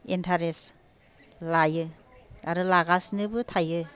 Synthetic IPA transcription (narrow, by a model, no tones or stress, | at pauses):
entʰaɾes | lajɯ | aɾɯlaɡasnɯbɯtʰajɯ